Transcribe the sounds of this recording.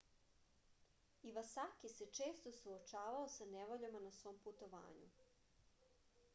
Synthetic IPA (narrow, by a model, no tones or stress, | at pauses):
iʋasakise̞t͡ʃe̞ːst̪o̞suot͡ʃaːʋaosaneʋoʎamanasʋo̞ːmput̪o̞ʋa̰ːɲṵ